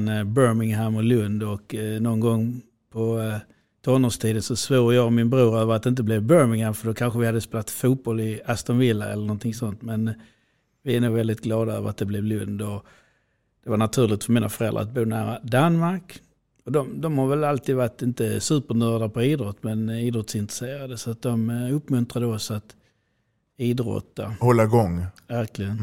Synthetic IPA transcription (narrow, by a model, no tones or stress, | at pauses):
nbœɾmɪŋɦæmɔlɵnd̪ɔknɔnɡɔŋː | pʰɔ | t̪ʰɔnɔːʂt̪ʰiːd̪ənsɔsvuːɾjɑːɡmɪnbɾuːɾøːvəɾat̪̚ɪnt̪̬əblɛvbœːɾmɪŋhæmfəɾd̪ɔkʰanɧəvɪhad̪ːəspeːlat̪fuːt̪̚bɔlɪast̪ɔnvɪlːaɛ̰lːəɾɳɔnt̪ʰɪŋsɔnt̪mɛn | vɪænuːɡvɛld̪ɪt̪ɡlɑːd̪aø̰ːvə̰ɾat̪̚d̪ɛblɛvlɵnd̪ɔ | d̪̥ɛvaɳat̪ʰʉ̟ːɾlɪɡ̚t̪fœɾmiːna̰fœɾɛlːɾa̰a̰t̪̚buːnæ̰ːɾad̪anmaɾk | ɔd̪ɔmd̪ɔmhaɾvɛlalt̪ʰiːd̪vaʈːɪnt̪əsʉːpəɳœːd̪apʰɔiːd̪ɾɔt̪ːmɛniːd̪ɾɔt̪sɪnt̪ɾəseːɾad̪əsɔat̪̚d̪ɔmɵpːmɵnt̪ɾad̪əɔsat̪ | iːd̪ɾɔ̰t̪ːa̰hɔlːaɡɔŋːvæɾklɪɡən